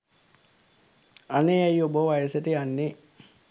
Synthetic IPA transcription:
aneajoboʋajəsəʈəjanːe

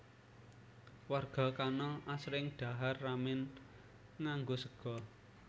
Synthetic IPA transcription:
warɡ̥a̤kanɔʔasɾɪŋɖ̪̥a̤ɦarːamɪn | ŋaŋɡosəɡ̥ɔ̤

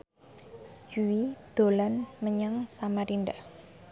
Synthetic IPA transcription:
d͡ʒuwid̪̥o̤lanməɲaŋsamaɾinɖah

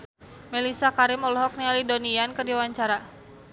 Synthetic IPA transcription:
melisakaɾimɔlɔɦɔk̚nialidoniankɨrdiawaɲt͡ʃaɾa

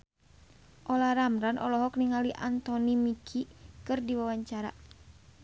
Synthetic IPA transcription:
ʔɔlaɾamɾanʔɔ̰lɔɦɔk̚niŋaliʔa̰nt̪ɔnimikʰikɨrdiwawaɲt͡ʃaɾa̰

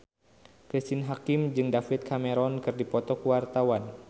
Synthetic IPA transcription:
kɾist̪inɦakimd͡ʒɨŋdafit̪̚kʰamɛɾɔnkɨrdipɔt̪ɔkuwart̪awan

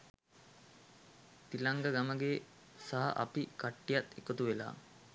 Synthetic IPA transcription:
t̪ilaŋɡəɡaməɡe | saɦa̰ʔapikaʈːijat̪ʰekət̪uʋela̰ː

